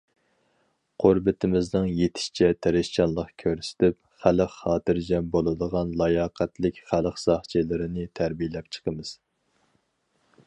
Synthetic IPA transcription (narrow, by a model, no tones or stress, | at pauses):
qʰoɾbɪt̪ʰɪmɪznɨŋjet̪ʰɪ̥ʃt͡ʃʰɛt̪ʰɛɾɪʃt͡ʃɑnlˠəqkʲʰøɾsɪ̥t̪ɪp̚ | χæləqχɑːt̪ɨɾd͡ʒɛmbolˠɨd̪əʁɑnlˠɑjɑːqʰæt̪lɪkʲχæləqsɑχt͡ʃʰilɪɾɪnɪt̪ʰæɾbijlɛpt͡ʃʰə̥qʰəmɨz̥